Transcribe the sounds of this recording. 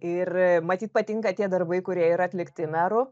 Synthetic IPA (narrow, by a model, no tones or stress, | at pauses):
ɪrmɐt̪ʲiːt̪̚pɐt̪ʲɪŋkɐt̪ʲiɛd̪ɐrbɐɪkʊɾʲiɛiɾɐɐt̪ʲlʲɪkt̪ʲɪnɑːɾʊ